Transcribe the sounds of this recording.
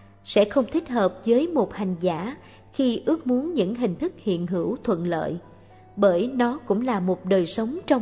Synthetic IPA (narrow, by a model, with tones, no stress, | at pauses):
sɛ̰˧˥xə˧wŋ͡mt̪ʰï˦˥k̟̚həː˨˩p̚zəː˨˦jmo˨˩t̚ha˨˩jŋ̟za̰ː˧˩ | xi˧ʔɨ˦˥ək̚mu˨˦ənɲɨ̰˧˥ŋɦï˨˩ŋ̟t̪ʰɨ˦˥k̚hḭ˧˨ənɦɨ˧˩wt̪ʰwə̰˧˨nlə̰ː˧˨j | ɓəː˧˩jnɔ˨˦kʊ̰˧˥ŋ͡mlaː˨˩mo˨˩t̚ɗəː˨˩jsə˨˦wŋ͡mt͡ɕɔ˧w